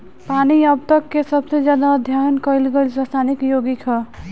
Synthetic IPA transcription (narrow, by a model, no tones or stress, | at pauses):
paniʌb̚t̪ʌkːesʌbsʌjd͡zjad̪aːd̪ʱjajnkʌjlɡʌjlsʌst̪ʰanikjoɡikʰʌ